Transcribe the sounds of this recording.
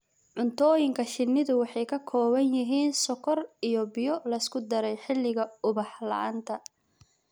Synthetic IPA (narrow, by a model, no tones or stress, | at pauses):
ʕʊnt̪ʰɔːjɪŋkʰɐʃɪnːɪðʊwɑħɑjkʰɐkʰɔːβɐnjɪɦiːnsɔkʰɔrijɔbɪjɔlɐɪskʰʊd̪ɐɾɛjħɪlːɪɣɐʊβɑħlɐ̰ʕa̰nt̪ʰɐ